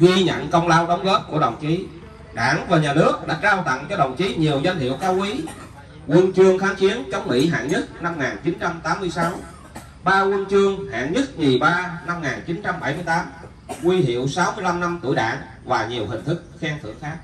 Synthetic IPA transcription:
ɣi˧ɲə̰˧˨nkə˧wŋ͡mlaː˧wɗə˨˦wŋ͡mɣo˦˥p̚ku˧˩əɗə˨˩wŋ͡mt͡ɕi˨˦ | ɗa̰ː˧˩nvaː˨˩ɲaː˨˩nɨ˦˥ək̚ɗa̰ː˧˥kaː˧wt̪ə̰˧˨ŋt͡ɕɔ˧ɗə˨˩wŋ͡mt͡ɕi˨˦ɲi˨˩əwzwa˧jŋ̟hḭ˧˨əwkaː˧wki˨˦ | kwə˧nt͡ɕɨ˧əŋxaː˨˦˥ŋt͡ɕi˨˦ənt͡ɕə˨˦wŋ͡mmḭ˧˥ɦa̰ː˧˨ŋɲə˦˥t̚na˧mŋaː˨˩nt͡ɕi˨˦nt͡ɕa˧mt̪aː˨˦mːɨ˧əjsa˨˦w | ɓaː˧wə˧nt͡ɕɨ˧əŋha̰ː˧˨ŋɲə˦˥t̚ɲi˨˩ɓaː˧na˧mŋaː˨˩nt͡ɕi˨˦nt͡ɕa˧mɓa˧˩jmɨ˧əjt̪aː˨˦m | ŋwi˧hḭ˧˨əwsa˨˦wmɨ˧əjla˧mna˧mt̪ṵ˧˩əjɗa̰ː˧˩ŋ | vaː˨˩ɲi˨˩əwhï˨˩ŋ̟t̪ʰɨ˦˥k̚xɛː˧ŋt̪ʰɨ̰˧˩əŋxaː˦˥k̚

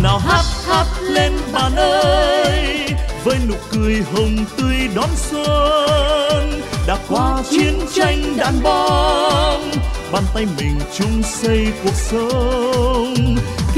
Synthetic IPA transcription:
naː˨˩wɦaː˦˥t̚haː˦˥t̚le˧nɓaː˨˩nʔəː˧jvəː˨˦jnʊ̰˧˨˩kɨ˨˩əjɦə˨˧˩wŋ͡mt̪ɨ˧əjɗɔ˨˦nswə˧ | nɗa̰ː˧˥kwaː˧˦t͡ɕi˧˦ənt͡ɕa˧jŋ̟ɗa̰ː˧˨nɓɔ˧˦nɓaː˧˩nt̪a˧jmï˨˩ŋ̟t͡ɕʊ˨˧ŋ͡msə˧jku˨˩ək̚sə˨˦

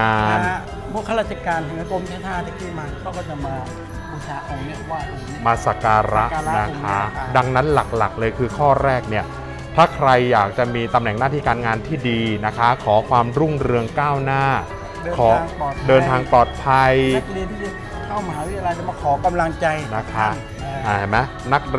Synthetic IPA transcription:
aː˧n˥˩ | bɔ˥˩ka˥˩la˧˥˩t͡ɕːa˧˩kaː˧nt̪ɛ˨˦ʔa˧ko˧mt̪ʰaː˧˩t̪ʰaː˥˩t̪ʰa˧˩k̪ʰiː˧˥˩maː˧kʰa˥˩kɔː˥˩t͡ɕa˨˩maː˧ | u˧˩saː˨˦ʔa˧mi˥˩˧waː˥˩ | maː˧sa˨˩kaː˧ɾa˦˥˧na˦˥kʰa˦˥da˧ŋna˦˥nla˨˩k̚la˨˩k̚lɤː˧jkʰɯː˧kʰɔː˥˩ɾɛː˥˩k̚ni˥˩ə | t̪ʰaː˥˩kʰɾa˧jːaː˨˩k̚t͡ɕa˨˩miː˧t̪a˧mnɛ˨˩ŋnaː˥˩t̪ʰiː˥˩kaː˧nŋaː˧nt̪ʰiː˥˩diː˧na˦˥kʰa˦˥kʰɔː˩˦kʰwaː˧mɾu˥˩ŋɾɯ˧əŋkaː˥˩wnaː˥˩˧ | ɔː˩˦˧ŋɔː˨˩t̪̚dɤː˧nt̪ʰaː˧ŋplɔː˨˩t̪̚pʰa˧jdi˧nt̪ʰiː˥˩˧ | kʰa˥˩wma˦haː˨˦wi˦t̪ʰja˧la˧jt̪a˧˩ma˧˩kʰɔː˩˦ka˧mla˧ŋt͡ɕa˧jna˦˥kʰa˦˥˧ | aː˧˩a˨˩ma˦˥ | na˦˥k̚

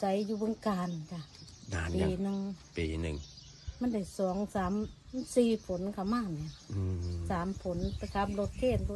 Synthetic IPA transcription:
t͡ɕa˨˦jjuː˧bɯ˧˦ŋkaː˨nkʰa˧˩ | a˨piː˧˨˧nɯ˧ŋpḭː˨nɯ̰˨˩ŋ | ma˧˥˨nda˧˩jsɔː˨˦ŋsaː˨˦m | siː˧pʰo˨˦nkʰa˧˩wmaː˧˥˨ni˧˩˧ | saː˨˦mpʰo˨˦nta˧˩kʰaː˧˥p̚lo˧t̪̚kʰeː˧˩t̪nt̪ʰu˧

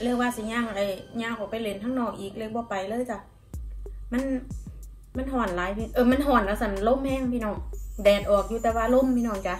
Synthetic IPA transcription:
le˧˩ŋwaː˧˨si˧˦ɲaː˧˨ŋ˨a˧˩jɲaː˧˨ŋkʰɔ˧˩pa˨jle˧˦nt̪ʰaː˧˥˨ŋnɔː˧˩ŋʔiː˨˩k̚le˧˨bɔː˧˦pa˨jlɤː˧˨jka˧˩ | ma˧˥˨n | ma˧˥˨nɦɔː˨˩nlaː˨˦jpʰi˧ʔɤː˧˩ma˧˥˨nɦɔː˨˩nka˧˩sa˧˩˨nlo˧˥˨mhɛː˧˥˨ŋpʰiː˧˨nɔː˧˩ŋdɛː˨˩t̪̚ʔɔː˨˩k̚juː˧t̪ɛː˧waː˧lo˧˥˨mpʰiː˧nɔː˧˩ŋt͡ɕa˧˨

